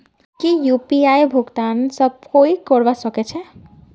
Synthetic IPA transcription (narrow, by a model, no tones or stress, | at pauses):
kijupiajbʱuɡt̪ansəb̚koikɔɾbasəket͡ʃʰɛ